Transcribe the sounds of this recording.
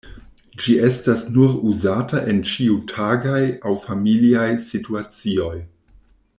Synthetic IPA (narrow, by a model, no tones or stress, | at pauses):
d͡ʒie̞stasnuɾuzataʔe̞nt͡ʃiutʰaɡajawfamiliajsituat͡sio̞j